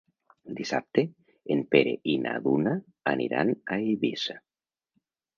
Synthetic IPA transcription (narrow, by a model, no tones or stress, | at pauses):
d̪isap̚t̪e | empeɾeʔinʔaðuna | anʔiɾa̰naiβisa